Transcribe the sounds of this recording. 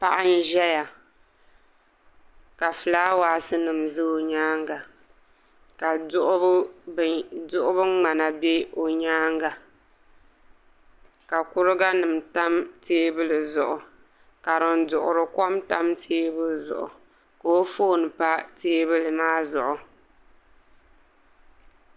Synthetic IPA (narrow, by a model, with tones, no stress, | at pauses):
pa˦ʔa˦n˦ʒɛ˦ja˨ | ka˨fɨ˨laː˦waː˨sɨ˦nɨ˨mzɨ˦˨ɲaː˦ŋɡa˨ | ka˨dʊ˦ʔʊ˦˨ | dʊ˦ʔʊ˦bɨ˦ŋ͡ma˨na˨be˦o˨ɲaː˦ŋɡa˨ | ka˨kʊ˦ɾɨ˦ɡa˦nɨ˨m˨ta˦mteː˦bɨ˦lɨ˨zʊ˨ʔʊ˨ | ka˨ɾɨ˨n˦dʊ˨ʔʊ̰˨ɾɨ˨kɔ˦mta˦mtʰeː˦bɨ˦lzʊ̰˨ʔʊ̰˨ | ko˦o˦foː˦nɨ˨pa˦teː˦bɨ˦lɨ˨maː˦zʊ˨ʔʊ˨